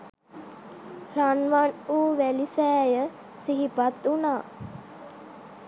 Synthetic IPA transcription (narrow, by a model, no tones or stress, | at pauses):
ranʋanuːʋælisɛːjə | siɦipat̪unaː